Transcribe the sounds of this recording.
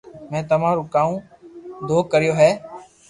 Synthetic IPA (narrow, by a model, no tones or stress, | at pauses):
mɛ̃ːt̪əm̤ãːɾũːkaːũː | d̪oːkəɾɪjoːɦɛː